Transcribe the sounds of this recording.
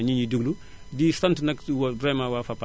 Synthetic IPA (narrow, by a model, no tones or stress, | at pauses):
ɲiɲidəɡlu | diːsɐntnɐkwɐbɾɛmawafɐpːa